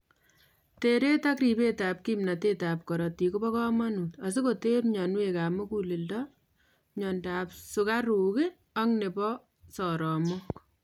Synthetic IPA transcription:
teɾe˦takri˨pe˦ta˨p̚kimna˨te˦ta˨p̚kɔ˨ɾɔ˨ti˨ku˦bɔ˦kɔ˦ma˦nu˨ta˨s̬i˦ko˨te˦pɲɔ˨nweka˨mu˦ku˦li˨ldɔ | ɲɔndaː˨psu˨ka˦ɾu˨ke˦ | a˦ŋne˨bɔ˦ | sɔɾɔ˨mɔ˦

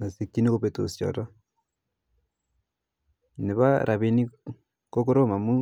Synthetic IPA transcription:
na˨si˨kːi˦ni˦ko˦pe˨to̰˨sjɔ̰˨ɾo˦ | ne˨βa˦ɾʔa˨βi˦ni˦ | ko˦ko˦ɾo˦˨ma˨mu˦

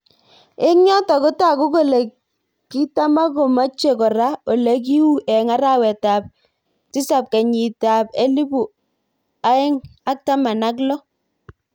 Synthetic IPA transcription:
ɪ˦ŋɲɔ˦tɔ˨kʊ˦ta˦˨kʊ˦ko˨le˨ | ki˦ta˦ma˦ko˨ma˦t͡ʃe˦˨kɔ˨ɾa˦o˨le˨˦k̬i˦wu˦ʔɛ˨ŋa˦ɾa˦˨wɛ˨ta˨p̚ | tɪ˦sa˨p̚kɛ˨ɲi˨ta˨pe˦li˦bu˨ | a˨˦ɛ˦ŋa˦k̚ta˦ma˨na˦k̬lɔ˦

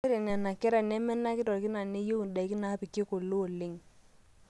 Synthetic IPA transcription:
ɾe˨na˨na˨kɛ˦ɾa˨nɛ˦mɛ˦na˦kɪ˦tɔ˨kɪ˦na˨ne˦jo˦u˨da˨i˦kɪ˦na˨˦pi˨ke˦ko˨lo˦o˨lɪ˦ŋ

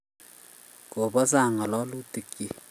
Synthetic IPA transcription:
ko˨bɔ˦sa˦˨ŋɔ˨lɔ˦lu˦tɪ˨kji˦

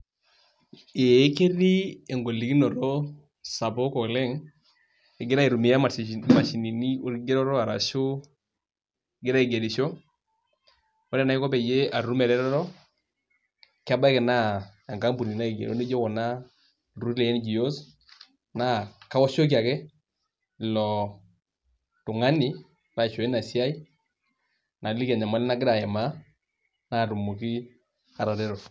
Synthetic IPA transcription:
e˨˦ke˦ɾi˦e˨ŋɡo˨li˨ki˦nɔ˨ɾɔ˦ | sa˨pɔ˦kɔ˨lɛ˦ŋ | ɛ˨ɡɪ˦ɾa˦i˨ɾu˨mi˨ja˦˨ma˨ʃi˨ni˨ni˦o˦ɾɡe˦ɾɔ˦ɾɔ˦a˨ɾa̰˨ʃu˦˨ | ɡɪ˦ɾa˦i˨ɡe˨ɾi˨ʃɔ˦ | ɔ˦ɾɛ˦˨na˦ɪ˦kɔ˦pɛ˨je˦a˨ɾu˦mɛ˨ɾɛ˦ɾɔ˦ɾɔ˦ | kɪ˦a˦ba˦kɛ˨na˦a˨ŋka˦mbu˨ni˨na˦i˨ɡḛ˨ɾo̰˦ne˦d͡ʒo˦kɔ˨na˦ | ru˦lɛ˨jɛ˦n˦d͡ʒi˨o˦s | na˦ka˦wɔ˦ʃo˦k̬i˦a˨kɛ˦˨ | lɔ˨ | tʊ˨ŋa˦ni˨ | na˨t͡ʃo˨e˦na˨si˦a˦i˦ | na˨li˦ka˨ɲa˨ma˦lɛ˦na˦ɡɪ˦ɾa˨ɛ˨ma˦ | na˦˨ɾu˨mu˨ki˦ | a˨ɾa˨ɾɛ˦ɾɔ˨

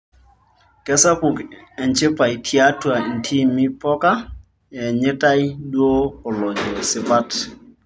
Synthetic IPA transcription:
kɛ˦sa˦pu˨kɛ˨nt͡ʃɪ˦pa˨i˨tʰja˦twa˨n̩˨tʰi˦mɪ˦pɔ˦ka˦ | ɛ˨ɲe˦ta˦i˦dwo˦ɔ˨lɔ˨d͡ʒɔ˨sɪ˨pa˦t

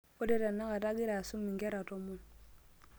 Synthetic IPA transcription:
o˦dɛ˦ta˨nːa˦ka˨ta˦ɡɪ˦ɾa˨su˦mi˨ŋɡɛ˦ɾa˨tɔ˦mʊ˦˨n

